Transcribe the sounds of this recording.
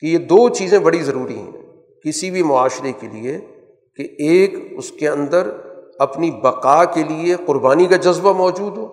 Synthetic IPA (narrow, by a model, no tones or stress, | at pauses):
kejed̪oːt͡ʃiːzẽbɐɽizɐɾuːɾiɦɛ̰̃ | kɪsibʱimʊaːʃɾekelḭe | keeːkʊskeɐ̃nd̪əɾɐpnibɐqaːkelieqʊɾbaːnikad͡ʒɐzbamɔːd͡ʒuːd̪ɦoː